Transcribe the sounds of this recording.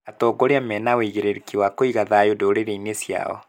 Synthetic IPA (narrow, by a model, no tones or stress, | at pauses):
atɔɡoɾeamɛnaweiɣeɾeɾkiwakoiɣaðajodoɾeɾeinesja̰ɔ̰